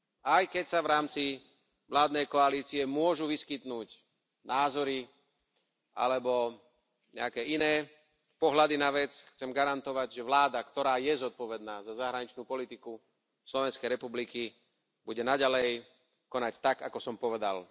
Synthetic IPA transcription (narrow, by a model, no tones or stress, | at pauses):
ajkɛcsaʋɾaːmt͡si | ʋlaːd̪nɛjkɔaliːt͡siɛmʊɔʒuʋiskit̪nuːc | naːzɔɾi | ʔa̰lɛbɔ | ɲɛ̰akɛːʔinɛː | pɔɦlad̪inaʋɛt͡sxt͡sɛmɡaɾant̪ɔʋaɟʒɛʋlaːd̪akt̪ɔɾaːjɛzɔt̪̚pɔʋɛd̪naːzazaɦɾaɲit͡ʃnuːpɔlit̪iku | slɔʋɛnskɛjɾɛpubliki | buɟɛnaɟalɛj | kɔnact̪aɡakɔsɔmpɔʋɛd̪a̰l